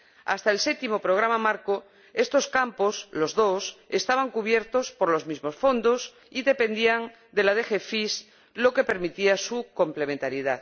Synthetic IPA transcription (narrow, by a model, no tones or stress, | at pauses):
a̰st̪aelset̪imo̞pɾoɣ̞ɾamamaɾko | e̞st̪oskampo̞slo̞zðo̞sest̪aβ̞aŋkuβ̞jeɾt̪o̞spo̞ɾlo̞zmizmo̞sfo̞nd̪os | iðe̞pe̞nd̪iaŋ | d̪e̞laðe̞xefis | lo̞ke̞pe̞ɾmit̪iasuko̞mple̞ment̪aɾjiða̰ð